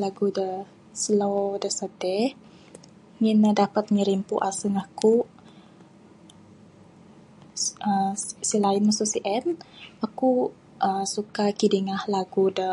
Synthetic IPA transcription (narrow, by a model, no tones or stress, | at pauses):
laɡudə | səlodəsədɛh | ŋinədapat̪̚ɲəɾimpṵʔasəŋahku | əsilainmasusiʔɛnaku | ʔəsukakidiŋahlaɡudə